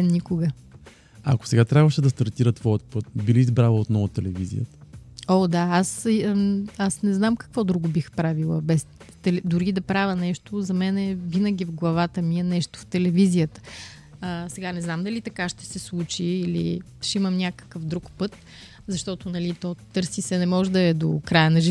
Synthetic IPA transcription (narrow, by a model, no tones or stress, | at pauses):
ɛnːikʊɡə | ɐ̰ko̥sɛɡat̪ɾʲjabvəʃɛd̪ɐst̪ɐɾt̪iɾət̪vɔjət̪̚pɤt̪̚biliːzbɾalˠəot̪nɔvʊt̪ɛlɛvḭzḭjə̰t̪ə̥od̪aas | asnɛznamkɐ̥kvɔd̪ɾuɡʊbixpɾavilˠəbɛst̪ɛlɛd̪ʊɾid̪ɐpɾavənɛʃt̪ʊzɐmɛnɛvinəɡʲivɡlˠɐvat̪əmiɛnɛʃt̪ʊ̥ft̪ɛlɛvizijət̪ə̥ | əsɛɡanɛznamd̪ɐlit̪ɐkaʃt̪ɛ̥sɛslˠut͡ʃiːlḭʃɛimɐmnʲakə̥kəfd̪ɾukpɤt̪̚ | zɐʃt̪ɔt̪onɐlit̪ɔt̪ɤɾsisɛnɛmɔʒɛd̪ɐɛd̪o̰kɾajənɐʒi